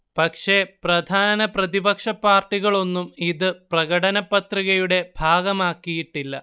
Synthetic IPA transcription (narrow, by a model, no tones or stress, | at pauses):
pɐkʂe̞prɐd̪ʱaːnɐprɐðibɐkʂɐpːaːrʈːiɣɐɭo̞nːumiðɨprɐɣɐɽɐnɐpːɐt̪riɣɐjuɽe̞bʱaːɡɐmaːkːijiʈːilːɐ̰